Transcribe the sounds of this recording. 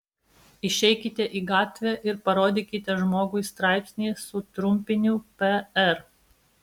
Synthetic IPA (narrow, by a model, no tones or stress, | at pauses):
ɪʃʲɛɪkʲɪt̪ʲɛʔiːɡɑːt̪ʲʋʲɛʔɪɾpɐɾoːd̪ʲiːkʲɪt̪ʲɛʒmoːɡʊɪst̪ɾɑˑɪpʲsʲnʲeːsʊt̪ɾʊmʲpʲɪnʲʊpʲɛɛɾ